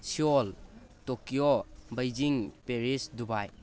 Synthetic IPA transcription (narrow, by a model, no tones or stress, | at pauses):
sioltokijobajd͡ʒiŋpeɾisdubaj